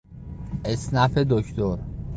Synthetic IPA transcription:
ʔesnæfed̪okʰt̪ʰoɾ

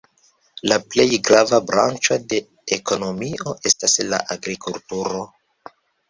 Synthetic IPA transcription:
laple̞jɡɾavabɾa̰nt͡ʃo̞de̞ | eko̞no̞mio̞ʔe̞stasla̰ʔaɡɾikultuɾo̞

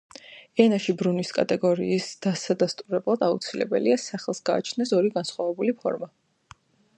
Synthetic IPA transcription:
ɛnaʃibɾuniskʼa̰t̪ʼɛɡɔɾḭːsd̪̥asad̪ast̪ʼuɾɛblˠad̪aut̪sʰilɛ̰bɛliasaχɛlˠsɡa̰ːt͡ʃʰnɛsɔɾiɡansχwavɛbulipʰɔ̰ɾma

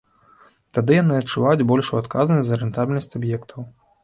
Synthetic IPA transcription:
t̪ad̪ɨjanɨɐt̪t͡ʂːuvajud͡zʲbɔlʲʂuat̪kaznɐsʲzɐɾɛnt̪abʲilʲnɐsʲt͡sʲabjɛkt̪ʰɐw

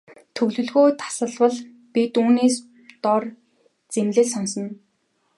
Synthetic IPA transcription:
t̪ʰɵɣɮɵ̆ɮɣoːt̪ʰḁsə̆ɮwə̆ɮ | pit̪uːneːs | t̪ɔr | t͡semɮɘ̆ɮsɔnsɞ̆n

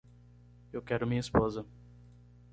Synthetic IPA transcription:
ewkɛɾʊmĩɲɐispozɐ

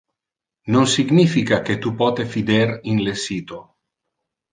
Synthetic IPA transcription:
nonsiɡnifikaket̪upɔt̪efid̪eɾinlesit̪o

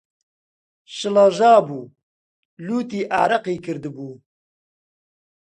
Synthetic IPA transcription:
ʃɨlaʒaːbuː | luːt̪iːʔa̰ːɾɐqiːkʰɨɾd̪ɨbuː

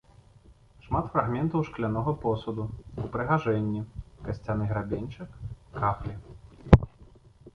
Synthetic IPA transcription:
ʂmat̪fraɣmʲɛnt̪ɐwʂklʲanɔɣɐpɔsud̪uupɾɨɣaʐɛnʲːikɐsʲt͡sʲanɨɣɾabʲenʲt͡ʂɨkːaplʲi

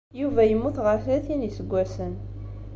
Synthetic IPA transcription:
juvæjəmːuθʁəɾθlæθinisəɡʷːæsən

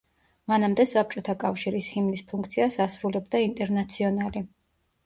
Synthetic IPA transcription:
manamd̪ɛsap̚t͡ʃʼɔt̪ʰakʼafʃiɾishimlispʰuŋk̚ʰt̪sʰiasasɾulɛbd̪aint̪ʼɛɾnat̪sʰiɔnali

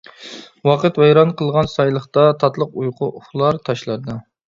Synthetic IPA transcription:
wɑqət̪wɛjɾɑnqʰəlˠʁɑnsɑjlˠəχt̪ɑt̪ʰɑt̪lˠəqujqʊχlˠɑɾt̪ʰɑʃlˠɑɾd̪ɑ

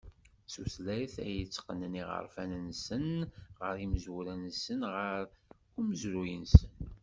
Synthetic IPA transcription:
suθlæθæ̰jət͡sːqənəniʁə̰ɾˤfænənsənʁəɾiməzwuɾænsənʁəɾ | ʊməzɾujənsən

